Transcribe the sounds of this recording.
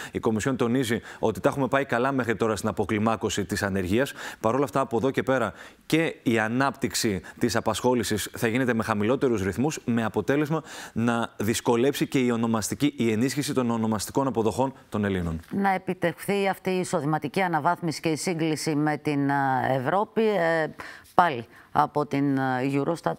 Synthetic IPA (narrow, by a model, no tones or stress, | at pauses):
iko̞misço̞nt̪o̞nizio̞t̪it̪ɐxume̞pɐikɐlɐme̞xɾit̪o̞ɾɐst̪inɐpo̞klimɐko̞sit̪isɐne̞ɾʝiɐspɐɾo̞lɐft̪ɐːpo̞ðo̞ce̞pe̞ɾɐce̞iɐnɐpt̪iksit̪isɐpɐsxo̞lisisθɐʝine̞t̪e̞me̞xɐmilo̞t̪e̞ɾuzɾiθmusme̞ɐpo̞t̪e̞le̞zmɐnɐðisko̞le̞psice̞io̞no̞mɐst̪iciie̞nisçisit̪o̞no̞no̞mɐst̪i̥ko̞nɐpo̞ðo̞xo̞nt̪o̞ne̞lino̞nnɐe̞pit̪exθiɐft̪iːso̞ðimɐt̪iciɐnɐvɐθmisi̥ce̞isiŋɡlisime̞t̪inevɾo̞pi | pɐli | ɐpo̞t̪inʝuɾost̪ɐt̪